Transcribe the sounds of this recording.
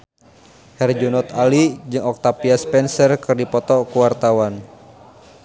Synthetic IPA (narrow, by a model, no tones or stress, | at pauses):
hɛrd͡ʒunɔt̪alid͡ʒɨŋɔk̚t̪apiaspɛnsərkɨrdipɔt̪ɔkuwart̪awan